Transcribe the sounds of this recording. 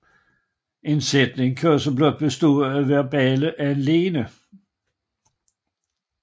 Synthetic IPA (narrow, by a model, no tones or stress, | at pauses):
ʔe̝nsed̥ne̝ŋkʰøɐsɐblɔd̥̚b̥esd̥oæʋæɐb̥ɛːləʔæenle̝ːnə